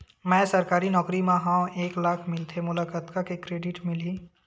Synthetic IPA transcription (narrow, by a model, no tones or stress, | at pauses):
mɛ̃ːsɐɾkaːɾinɔːkɾimãɦãːwʔeːklaːkʰmɪlt̪ʰemʊlaːkaːt̪kakekɾeːɖɪʈmɪliː